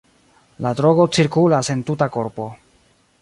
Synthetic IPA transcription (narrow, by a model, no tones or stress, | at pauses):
ladɾo̞ɡo̞t͡siɾkulase̞ntutako̞ɾpo̞